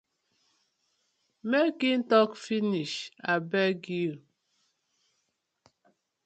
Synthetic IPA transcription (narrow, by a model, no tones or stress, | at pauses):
mekin̩tɔkfiniʃabɛɡil